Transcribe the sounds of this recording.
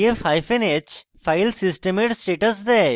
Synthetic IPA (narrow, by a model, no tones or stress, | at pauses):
efaːjfenet͡ʃ | fʰaɪlsisʈemeɖsʈeːʈəsd̪ɛ